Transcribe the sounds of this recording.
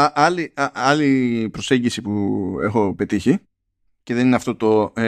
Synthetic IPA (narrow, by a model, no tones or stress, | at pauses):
ɐʔɐliɐɐlipɾo̞seɲɟisipue̞̰xo̞pe̞t̪içi | ce̞ðe̞nineɐft̪o̞t̪o̞